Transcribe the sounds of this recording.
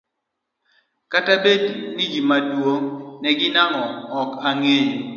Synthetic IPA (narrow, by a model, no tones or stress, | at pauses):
katabednid͡ʒimadwoŋnɛɡɪnaŋɔɔkaŋeɲ